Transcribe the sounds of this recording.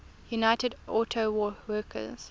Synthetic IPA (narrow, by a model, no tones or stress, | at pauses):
junaɪtədɔˑtʰowɔwɜːˑkʰə̰z̥